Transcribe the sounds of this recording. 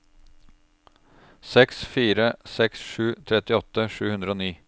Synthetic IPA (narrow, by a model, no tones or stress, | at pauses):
sɛksfiːɾəsɛksʂʉːt̪ʰɾɛt̪ɪɔt̪əʂʉːhʉnd̪ɾəoːniː